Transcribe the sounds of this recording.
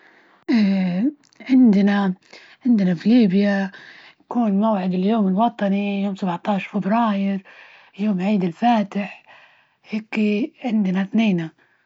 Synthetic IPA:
ʔaː | ʕɪnd̪na | ʕɪnd̪nafiliːbjajakuːnmawʕɪd̪ɪljoːmɪlwɑt̪ˤɑnijoːmsabʕt̪ˤɑːʃfɪbɾɑːjɪɾ | joːmʕiːd̪ɪlfaːt̪ɪħ | heːkʕɪnd̪naθneːna

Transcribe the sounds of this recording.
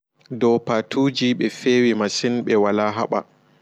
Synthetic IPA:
dɔwpatʰuːd͡ʒiɓɛfeːwimasinɓɛwalaːɦaɓa̰

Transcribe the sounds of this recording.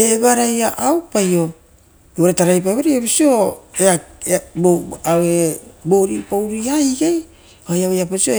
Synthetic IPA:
ebaɾajaʔawpajo̞ | ɡeɾetaɾajp̬ajβaɾiapisioeaboaweboɾipawɾiajɡej | ajawejapasio

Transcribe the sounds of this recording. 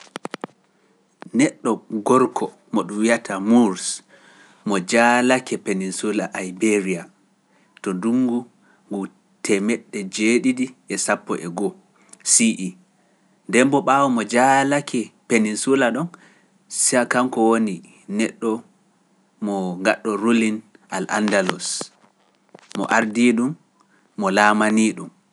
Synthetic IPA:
nɛɗːɔɡɔɾkʰɔ | mɔɗumwijatʰamuɾs | mɔd͡ʒalakɛpeninsulaʔajbeɾia | tɔduŋɡu | ŋɡu | tʰɛmɛɗːɛd͡ʒeɗidiʔɛsapːɔʔɛɡɔ | siʔi | ndɛmbɔɓawɔmɔd͡ʒalakɛpeninsulaɗɔn | siakamkɔwoni | nɛɗːɔ | mɔŋɡaɗːɔɾulin | a̰lʔa̰ndalɔs | ɔ̰ʔaɾdiɗumː | ɔlamaniːɗum

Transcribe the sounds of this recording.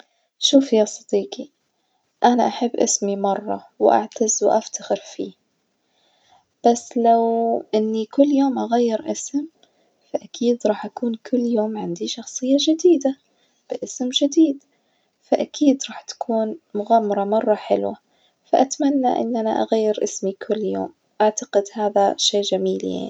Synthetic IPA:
ʃuːfjaːsˤɑd̪iːqi | ʔanaʔaħabːʔɪsmimɑrˤːɑ̰ | wʔa̰ʕt̪azwʔaft̪axɪɾfiː | b̥asːlawʔɪnːikʊlːjoːmʔaɣajːɪɾʔɪsm | faʔakʰiːd̪ɾˤɑːħʔakuːnkʰʊlːjoːmʕɪnd̪iʃɑxsˤɨjːaʒɪd̪iːd̪a | b̥ɪʔɪsmʒɪd̪iːd̪ | faʔakʰiːd̪ɾˤɑːħt̪ḁkʰuːnmʊɣamːɑɾˤɑmɑrˤːɑħɪ̰lwa | faʔat̪manːa̰ʔɪ̰nːʔana̰ʔa̰ɣajːɪɾʔɪ̰smikʰʊlːjo̰ːm | ʔaʕt̪ḁqɪd̪haːðaʃeːʔʒamiːlja̰ʕni

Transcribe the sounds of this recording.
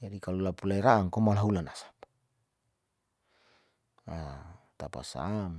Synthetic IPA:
d͡ʒadikalulapulaiɾaʔːŋkomalaɦulanasḁp̚ | a | t̪a̰pa̰sa̰m

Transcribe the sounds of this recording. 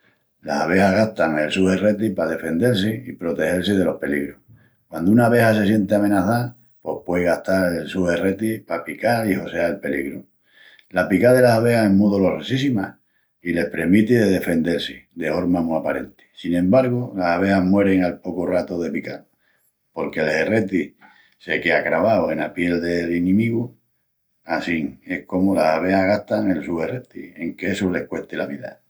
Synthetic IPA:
la̰saβ̞e̞haɦɣaht̪aŋe̞lsuhe̞re̞t̪̬ipaðe̞fe̞nd̪e̞ɾsiipɾo̞t̪e̞he̞ɾsið̞e̞lo̞hpe̞liɣɾoh | kwand̪ounaβe̞hase̞s̬je̞nt̪eamẽ̞naθa | po̞hpwe̞ɣaht̪aɾelsuhe̞re̞t̪ipapikaiho̞seaelpe̞liɣɾu | lapikað̞e̞lasaβ̞e̞haemuðolo̞resisimah | ile̞hpɾe̞mit̪iðeðe̞fe̞nd̪e̞ɾsid̪e̞fo̞ɾmamuapaɾe̞̰nt̪i̥sinẽ̞mbaɾɣolasaβ̞e̞aɦmwe̞ɾe̞ŋalpo̞korat̪oðe̞pikal | po̞ɾke̞lhe̞re̞t̪i | se̞keakɾaβawe̞napje̞ld̪e̞linĩmiɣu | asiŋe̞hko̞molasaβ̞e̞aɣaht̪aŋe̞lsuhe̞ret̪ḭe̞ŋkeesule̞hkwe̞ht̪elaβiða̰

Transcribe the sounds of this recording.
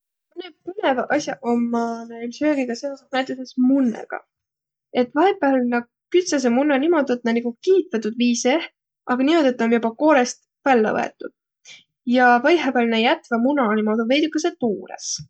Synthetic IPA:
mɯnepɯne̞vɑʔɑsʲjɑʔomːɑneilsøːɡ̥iɡ̥ɑse̞o̞senæjt̪ːˑesesmunːḛɡ̥ɑ̰ | e̞t̪ːˑvɑhebˑælnɑɡ | kyt̪ses̬emunːɑnimo̞d̪uet̪ːnɑniɡukiːt̪vet̪ːˑud̪̥viːse | ʔɑɡɑnimo̞d̪uet̪ːˑonjubɑko̞ːɾest̪ | vælːæ̰ɤ̰e̞̰t̪ːˑud̪̥̚ | jɑvɑjɦævælnejæt̪vɑmunɑnimo̞d̪uve̞jd̪ukːˑɑset̪uːɾḛs

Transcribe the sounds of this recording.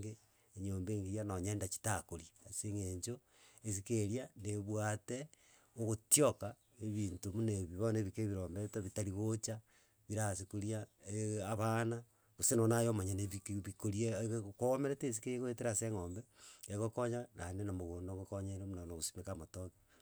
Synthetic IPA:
ɡe | eɲoːmbeːŋɡiɾianoɲendat͡ʃi̥takoɾiaseŋeɲd͡ʒo | es̬ikeɾianeβwate | oɣotioka | eβiːntomuneβiβoneβikeβiɾoːmbetaβitaɾiɣot͡ʃa | βiɾasekoɾiaeaβana | ɣosenonajomaɲaneβikβikoɾiekoomeɾetes̬ikejeɣweteɾaseŋombeeɣokoɲananenamoɣoːndoŋɡokoɲeɾemunanoɣosi̥mekamotoki

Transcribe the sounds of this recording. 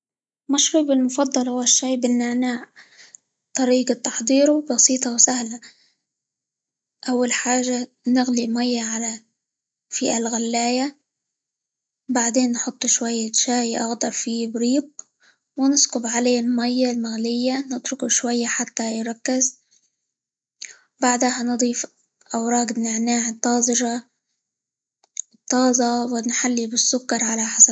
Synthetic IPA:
maʃɾuːbɪlmʊfɑd̪ˤːɑlhʊwaʃːajbɪnːaʕnaːʕ | t̪ˤɑɾiːɡɑt̪ɑħd̪ˤiːɾubɑsiːt̪ˤɑwsahla | ʔawːalħaːʒːa | nɪɣlimajːaʕala | fiʔalɣalːaːja | baʕd̪eːnːħʊt̪ˤːʃwajːaʃaːjʔɑ̰ɣd̪ɑɾˤfibɾiːɡ | wɪnɪskʊbʕaleːlmajːalmaɣlɪjːanɪt̪ɾʊkuʃwajːaħat̪ːajɾˤɑkːɪz | baʕd̪ahanɨd̪ˤiːf | ʔawɾˤɑːɡnɪʕnaːʕɪt̪ˤːɑːzˤɨɾɑ | t̪ˤːɑːzˤɑwɪnħalːibɪsːʊkːɑɾˤʕalaħasa

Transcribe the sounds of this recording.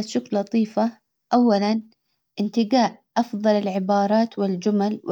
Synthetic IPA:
aʃʊkllːɑt̪ˤiːfa | ʔawːalan | ʔɪnt̪ɪɡaːʔʔɑfðˤɑlɪlʕɪbɑːɾˤɑːt̪wɪld͡ʒʊmalwɪ

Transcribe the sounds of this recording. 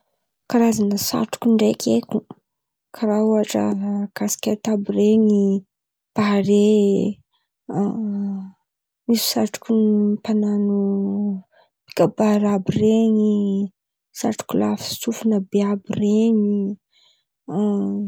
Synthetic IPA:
kaɾazanəsa̰ʈ͡ʂu̥kʲuɳɖ͡ʐekʲʰekʲu | kʰaɾauaʈ͡ʂə̰kasi̥kʲet̪abireŋi | b̥aɾe | misu̥saʈ͡ʂu̥kʲunipananu | bi̥kabaɾabireŋi | sa̰ʈ͡ʂu̥kʲula̰fi̥tufunəbeabireŋi

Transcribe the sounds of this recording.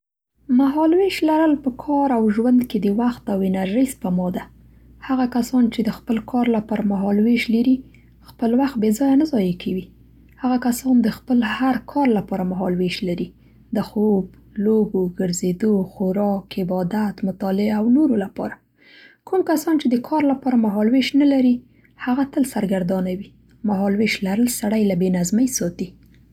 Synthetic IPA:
maɦɑlweʃlaɾəlpəkʰɑɾawʒwand̪ked̪əwaxt̪awɪnaɾʒijspamɑd̪a | haɣakasɑnt͡ʃed̪əxpəlkʰɑɾlapɑɾamaɦɑlweʃlaɾi | xpəlwaxt̪̚bezɑjanazɑjakʰawi | haɣakasɑnd̪əxpəlhaɾkʰɑɾlapɑɾamaɦɑlweʃlaɾi | d̪əxob | loboɡəɾzed̪oxoɾɑkɪbɑd̪at̪mʊt̪ɑlɪawnoɾolapɑ̰ɾa | kʰumkasɑnt͡ʃed̪əkʰɑɾlapɑɾamaɦɑlweʃnalaɾi | haɣat̪əlsaɾɡaɾd̪ɑnawi | maɦɑlweʃlaɾəlsaɽajlabenazmajsɑt̪i

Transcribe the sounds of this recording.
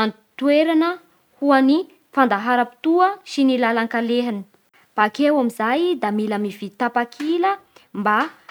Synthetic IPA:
an | t̪ueɾanə | huani | fand̪aɦaɾəpi̥t̪uəsinilalaŋkaleɦani̥ | b̥akewamizajd̪amilamivit̪apakʰiləmba

